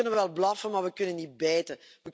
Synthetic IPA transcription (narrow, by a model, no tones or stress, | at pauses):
ɵnənʋəʋɛlˠblɑfəmaːɹʋəkɵnənːit̚bɛːtə | ʋə